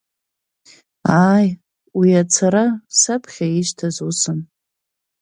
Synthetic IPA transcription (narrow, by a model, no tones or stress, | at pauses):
aj | wiat͡sʰaɾasapʰχʲaiʃtʰazusɨn